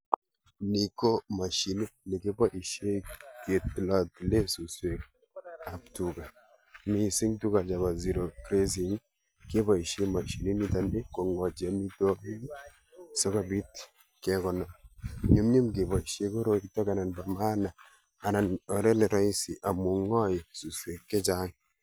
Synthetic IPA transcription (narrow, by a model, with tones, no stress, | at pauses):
ni˨ko˦ma˨ʃi˨ni˦ni˨ke˦bɔ˦ʔi˨ʃje˦ke˨tla˨tile˦su˨swe˨k | a˨ptuka˨ | mi˦si˦ŋtu˦ka˨t͡ʃa˨ba˨zi˨ɾo˨kɾe˦s̬i˨ŋ | ke˦bɔ˨i˨ʃe˦ma˨ʃi˨ni˦ni˦ta˨ndi˦ko˨ŋɔ˨t͡ʃia˨mi˦to˦ki˦ | sɔ˦ka˨bi˦t | kɛkɔ˨na˨ɲu˦mɲi˦mke˨bɔ˨i˨ʃje˦ko˦ɾo˨itɔ˦ka˨na˨nba˨ma˦na˨ | a˨na˨nɔ˨ɾe˦ne˨ɾɔ˦i˦si˨ʔa˨mu˨ŋɔ˦ji˨su˨swe˨kːe˦t͡ʃaŋ